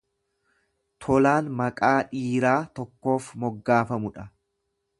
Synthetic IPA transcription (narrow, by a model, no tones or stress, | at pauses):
t̪ʰɔlaːnmɐkʼaːᶑiːɾaːt̪ɔkːo̞ːfmɔɡːaːfɐmʊᶑɐ